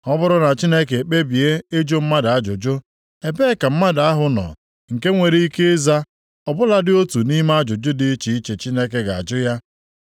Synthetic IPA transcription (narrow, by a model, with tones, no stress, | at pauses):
ɔ˦bʊ˦ɾʊ˦na˨t͡ʃi˦ne˦ke˨k͡pe˦bi˨e˦e˦d͡ʒo˦m̩˦ma˦da˨a˦d͡ʒʊ˨d͡ʒʊ˦ | e˨be˦ka˨m̩˦ma˦da˨a˦ɦʊ˨nɔ̰˨ | ŋ̩˨ke˦ŋʷe˨ɾe˦i˦ke˦za˦ | ɔ˨bʊ˦la˦dɪ˦o˦tu˨ni˦m˦a˦d͡ʒʊ˨d͡ʒʊ˦dɪ˨˦t͡ʃi˨i˦t͡ʃe˨t͡ʃi˦ne˦ke˦ɡa˨a̰˨d͡ʒʊ˦ja˦